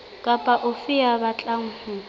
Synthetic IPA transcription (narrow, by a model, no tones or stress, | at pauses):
kʼapʼaʔʊfɪabat͡ɬʼaŋ̩hu